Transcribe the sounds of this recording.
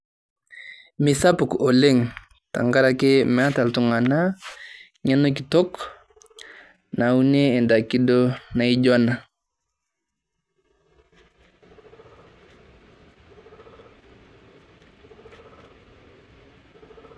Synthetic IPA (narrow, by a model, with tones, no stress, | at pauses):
mɪ˨sa˦pu˨ko˨le˦ŋ | ta̰˨ŋɡa˦ɾa˨ke˦mɛ˨a˦ta˨ltu˨ŋa˨na˦ | ɲa˦no˦k̬i˨to˦k | na˨u˦ne˦ɛ˨nda˨ki˦do˦na˨i˦ɟɔ˦na˨